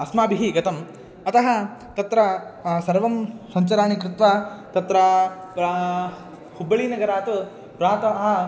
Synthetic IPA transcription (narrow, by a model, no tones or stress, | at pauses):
ɐsmaːbiɦiɡɐt̪ɐm | ɐt̪ɐɦɐt̪ɐt̪ɾɐsɐɾʋɐmsɐɲt͡ʃɐɾaːɳikɾɪt̪ʋaːt̪ɐt̪ɾɐpɐ | hubːɐɭiːnɐɡɐɾaːt̪u | pɾaːt̪ɐɦɐ